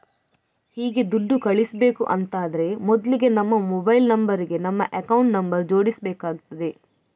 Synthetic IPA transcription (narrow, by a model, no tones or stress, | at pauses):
hiːɡe̞d̪uɖːukɐɭisɐbe̞ːkuʔɐnt̪aːd̪ɐɾe̞mɔd̪liɡe̞nɐmːɐmɔbɐjlnɐmbɐɾiɡe̞nɐmːɐʔekɐwɳʈnɐmbɐɾd͡ʒo̞ːɽisɐbeːkaːɡut̪ːɐd̪e̞